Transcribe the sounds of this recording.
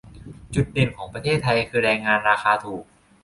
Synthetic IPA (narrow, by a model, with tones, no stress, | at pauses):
t͡ɕu˨˩t̪̚de˨˩nkʰɔː˩˦ŋpɾa˧t̪ʰeː˥˩t̪ʰːa˧jkʰɯː˧ɾɛː˧ŋːaː˧nɾaː˧xaː˧t̪ʰuː˨˩k̚